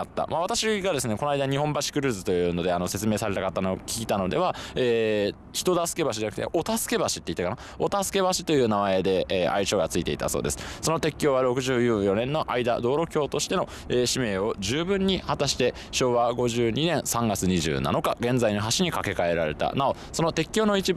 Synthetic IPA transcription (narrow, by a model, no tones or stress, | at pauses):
at̪ːa̰maβ̞at̪aɕiɡad̪e̞sɨne̞konajd̪aɲ̟iɦõ̞mbaɕi̥kɯ̟ɾɯ̟ːzɨt̪o̞jɯ̟ːno̞d̪e̞ano̞se̞t͡sɨme̞ːsaɾe̞t̪akat̪ːanookʲi̥kʲit̪ano̞d̪e̞β̞aeː | çi̥t̪o̞d̪asɨ̥ke̞baɕ̬id͡ʑanak̟t̪ḛʔo̞t̪asɨ̥ke̞baɕi̥t̪ːeit̪ːakana | o̞t̪asɨ̥ke̞βaɕi̥t̪o̞jɯ̟ːnamae̞d̪e̞ːa̰it͡ɕo̞ːɡat͡sɨit̪e̞it̪a̰so̞̰ːd̪esɨ̥so̞not̪e̞kʲːjo̞ːβaɾo̞kɯ̟ʑɨːjɨːjo̞nẽ̞nːo̞ʔaid̪a̰d̪o̞ːɾo̞kʲo̞ːt̪o̞ɕi̥t̪e̞no̞ | eːɕime̞ːo̞ʑɨːbɯ̟̃ɲ̟ːihat̪aɕi̥t̪e̞ | ɕo̞ːβaɡo̞ʑɨːɲ̟inẽɰ̃sãŋɡat͡sɨɲ̟iʑɨ̰ːna̰no̞kaɡẽ̞nd͡zainoɦaɕiɲ̟ikake̞kae̞ɾaɾe̞̰t̪a̰nao̞ | so̞no̞t̪e̞kʲːo̞ːno̞it͡ɕi